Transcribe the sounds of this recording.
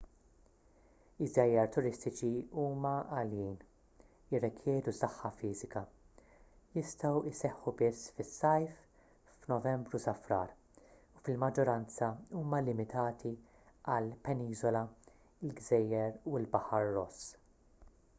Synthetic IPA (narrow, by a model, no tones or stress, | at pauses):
ɪzːɛjːɐɾt̪ʊɾɪst̪ɪt͡ʃiuːmɐɐliːn | ɪrːɛkʰjɛːd̪usɐħːɐfiːzɪkɐ | jɪst̪ɐwɪsɛħːubɪsfɪsːɐjf | fnɔvɛmbɾusɐfɾɐ̰ːɾ | ufɪlmɐd͡ʒːɔɾɐnt͡sɐuːmɐlɪmɪt̪ɐːt̪ʰi | ʔɐlpɛniːzɔlɐ | ɪlɡzɛjːɛɾuɪlbɐħɐɾːɔs